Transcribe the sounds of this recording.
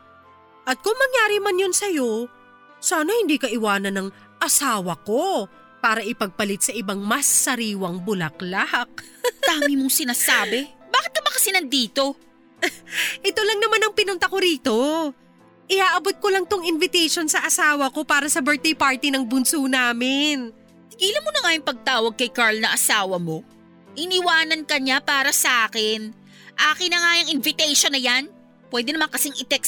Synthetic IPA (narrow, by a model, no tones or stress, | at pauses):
ʔɐt̪̚koŋmɐŋjaːɾɪmanjonsɐjo̞ | saɐnohɪnd̪iːkɐʔɪwaːnɐnːɐŋ | ʔɐsaːwɐko̞ | paːɾɐʔɪpɐɡ̚pɐlɪt̪̚sɐʔɪbaŋmɐsːɐɾiːwɐŋbʊlɐklak̚d̪aːmimoŋsɪnaːsaːbɛbaːkɪt̪̚kɐbɐkɐsɛnɐnd̪iːt̪o̞ | ʔɛt̪o̞lɐŋnɐmanɐŋpɪnʊnt̪ɐko̞ɾiːt̪o̞ | ʔɪhaːʔɐbot̪̚ko̞lɐŋt̪oŋɪnvɪt̪ɛjʃo̞nsɐʔɐsaːwɐko̞paːɾɐsɐbɛɹt̪ipaɹt̪inɐŋbʊnsuːnaːmɪn | hɪɡiːlɐnmonɐŋajʊŋpɐɡ̚t̪aːwɐɡ̚kɐjkaɹlnɐʔɐsaːwɐmo̞ | ʔɪnɪwaːnɐnkɐɲapaːɾɐsɐʔaːkɪn | ʔaːkɪnɐŋajɐŋʔɪnvɪt̪ɛjʃonɐjan | pwɛːd̪ɛnɐmaŋkɐsɪŋɪt̪ɛk